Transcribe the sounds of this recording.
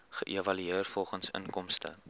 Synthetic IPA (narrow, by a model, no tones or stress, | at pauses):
χəʔievɐlyeərfɔlˠχənsə̰nkɔmstə̰